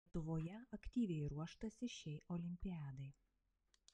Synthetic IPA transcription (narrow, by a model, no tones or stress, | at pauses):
ɛt̪ʊʋoːjɛɐkʲt̪ʲiːʋʲɛɪɾuɔʃt̪ɐsʲɪʃʲɛɪʔɔlʲɪmʲpʲɪjæːd̪ɐɪ